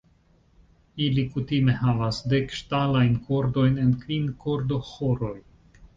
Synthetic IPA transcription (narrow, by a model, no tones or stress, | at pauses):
ilikutime̞havasde̞kʃtalajnko̞ɾdo̞jne̞nkvinko̞ɾdo̞xoɾo̞j